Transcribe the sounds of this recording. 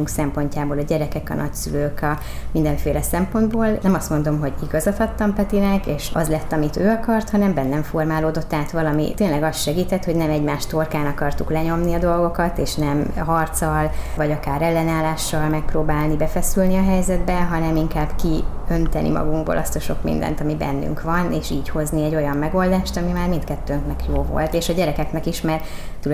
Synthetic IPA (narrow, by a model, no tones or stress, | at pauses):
uŋksɛmpo̞ɲcaːboːlɒɟɛɾɛkɛkɒ̰nʔɒ̰csyløːkɒ | mind̪ɛɱfeːlɛsɛmpo̞nd̪boːlnɛmɒst̪mo̞nd̪o̞mɦo̞ɟiɡɒzɒt̪ɒt̪ːɒmpɛt̪inɛkeːʃɒzlɛt̪ːɒmit̪øːɒkɒrt̪hɒnɛmbɛnːɛɱfo̞rmaːloːd̪o̞t̪ːaːt̪ʋɒlɒmḭt̪eːnlɛɡɒst̪ʃɛɡiːt̪ɛt̪hoɟnɛmɛɟmaːʃt̪o̞rkaːnɒkɒrt̪uklɛɲo̞mniɒd̪o̞lɡo̞kɒt̪eːʃnɛmɦɒrt̪sɒlvɒɟɒkaːɾɛlːɛnaːlːaːʃːɒlmɛk̚proːbaːlnibɛfɛsylniɒɦɛjzɛd̪bɛɦɒnɛmiŋkaːbki | ø̞nt̪ɛnʔḭmɒ̰ɡuŋɡbo̰lʔɒ̰st̪ɒʃo̞kmḭnd̪ɛ̰nt̪ɒmibɛ̰nːy̰ŋkʋvɒneːʃiːcho̞zniɛɟːo̞jɒmːɛɡo̞ld̪aːʃt̪ɒmimaːrmint̪kɛt̪ːøːŋknɛkjoːvo̞̰lt̪eːʃɒɟɛɾɛkɛknɛkiʃmaːr | t̪ul